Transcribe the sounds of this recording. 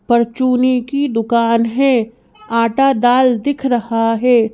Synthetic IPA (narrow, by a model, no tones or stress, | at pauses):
pɐɾt͡ʃuːnikid̪ʊkaːnɦɛ | aːʈad̪aːld̪ɪkʰɾɐɦaɦɛː